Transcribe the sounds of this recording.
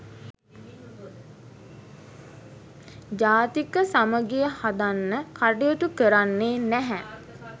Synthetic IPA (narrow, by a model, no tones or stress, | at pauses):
d͡ʒaːt̪ikəsaməɡejəhad̪anːəkaɖijot̪ukəɾanːeːnæɦɛ